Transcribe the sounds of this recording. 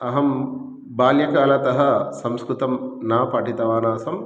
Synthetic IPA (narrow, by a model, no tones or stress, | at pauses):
ɐɦɐm | baːljɐkaːlɐt̪ɐɦɐsɐmskɾut̪ɐmnaːpɐʈit̪ɐʋaːnaːsɐm